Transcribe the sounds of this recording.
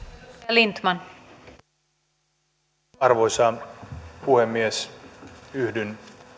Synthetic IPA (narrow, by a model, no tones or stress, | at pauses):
lint̪mɑn | ɑrʋojsɑ | puhemːies | yhdyn